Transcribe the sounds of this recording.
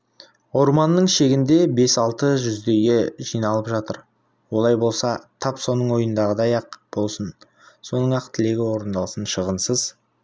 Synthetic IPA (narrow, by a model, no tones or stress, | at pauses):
o̞ɾmɑnːəɴʃe̞ɡʲɪnd̪e̞be̞sɑlˠt̪əʒʏzd̪e̞jɡʲe̞ʒijnɑlˠəpʒɑt̪əɾ | wo̞lˠɑjbo̞lˠsɑt̪ʰɑpso̞nəɴwo̞jənd̪ɑʁəd̪ɑjɑqb̥o̞lˠsən | so̞nəɴɑqt̪ʰɪle̞ɡʲɪwo̞ɾənd̪ɑlˠsənʃəʁənsəz̥